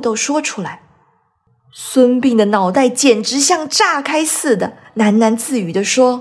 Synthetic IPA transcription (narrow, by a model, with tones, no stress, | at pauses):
t̪o˥˧ʊʂwɔ˥ʈ͡ʂʰu˥la˧˥ɪ | swə˥npi˥˩ŋd̪ə˩nɑ˨˩ʊt̪a˥˩ɪt͡ɕjɛ˨˩nʈ͡ʂɻ̩˧˥ɕjɑ˥˧ŋʈ͡ʂa˥˩kʰa˥ɪsɹ̩˥˩d̪ə˩na˧˥nna˧˥nt͡sɹ̩˥˩y˨˩d̪ə˧ʂwɔ˥